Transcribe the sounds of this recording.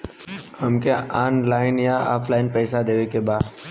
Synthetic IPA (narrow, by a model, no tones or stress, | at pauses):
hɐmkeʔaːnlaːɪnjaɔ̰ːpʰlaːɪnpɛːsad̪eːʋekebaːd̪